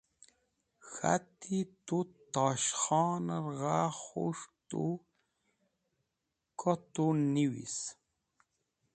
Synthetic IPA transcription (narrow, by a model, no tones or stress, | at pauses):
xa̰t̪ʰit̪ut̪ɑʃχɑːnəɾɣaχo̰ʂt̪u | kʰɔt̪uniwḭs